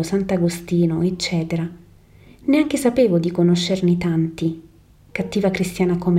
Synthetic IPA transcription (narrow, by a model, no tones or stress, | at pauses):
osant̪aɡost̪iːnoet͡ʃːɛːt̪eɾa | neaŋk̟esapeːvod̪ikonoʃːernit̪ant̪i | kat̪ːiːvakɾist̪jaːnakom